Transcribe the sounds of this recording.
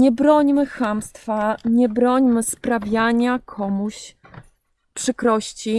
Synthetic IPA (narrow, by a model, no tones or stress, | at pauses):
ɲɛbɾɔɲmɘxamst̪faɲɛbɾɔɲmɘspɾavʲjaɲakʰɔmuɕ | pʂɘkɾɔɕt͡ɕi